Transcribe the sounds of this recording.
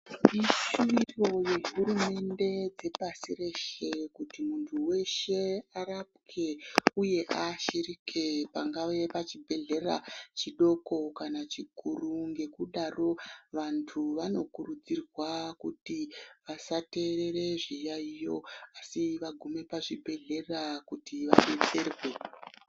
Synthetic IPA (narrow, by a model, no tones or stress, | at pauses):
iʃuʋiro̞je̞ɦurume̞nde̞d͡ze̞pasiɾe̞ʃe̞kutimuntʰuwe̞ʃe̞arap̚kʰe̞uje̞ʔaʃirikʰe̞paŋɡaʋe̞pat͡ʃibʱe̞ɮe̞ra̰t͡ʃiɗo̞ko̞kanat͡ʃikuruŋɡe̞kuɗaro̞ʋantʰuʋano̞kurud͡zirwakutiʋasate̞ɾe̞ɾe̞ʐijaijo̞̰asiʋaɡʱume̞paʐibʱe̞ɮe̞rakutiʋa̰ɗet͡serwe̞